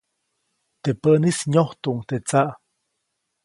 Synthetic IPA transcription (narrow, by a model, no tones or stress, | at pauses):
t̪epəʔnisɲoht̪uŋt̪et͡saʔ